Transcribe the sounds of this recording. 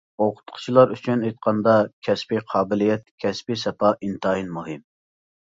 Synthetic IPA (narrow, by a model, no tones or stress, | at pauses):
oqʰʊ̥t̪qʰʊ̥t͡ʃʰilˠɑɾyt͡ʃʰynejt̪̚qʰɑnd̪ɑkʲʰɛspiqʰɑːbɪlijɛt̪̚kʲʰɛspisɛpɑʔint̪ɑjinmuɦɨm